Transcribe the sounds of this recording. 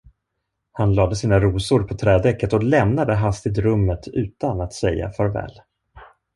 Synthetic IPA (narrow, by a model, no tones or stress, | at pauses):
hanlɑːd̪əsiːnaɾuːsʊɾpʰɔt̪ʰɾɛːd̪ɛkːət̪ɔlɛmnad̪əɦast̪ɪt̪ɾɵmːət̪ʰʉ̟ːt̪anat̪sɛjːa̰fœɾvɛ̰ːl